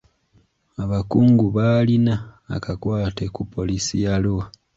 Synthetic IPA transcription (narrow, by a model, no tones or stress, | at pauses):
aβakuːŋɡuβalina̰ːkakwaːte̞kupʰo̞lisijalowa